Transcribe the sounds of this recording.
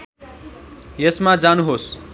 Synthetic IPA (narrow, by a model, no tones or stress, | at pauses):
jesmad͡zanuɦos